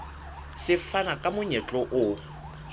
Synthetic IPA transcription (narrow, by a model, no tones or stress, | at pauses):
sɪfanakʼamʊɲɛt͡ɬʼɔʔʊ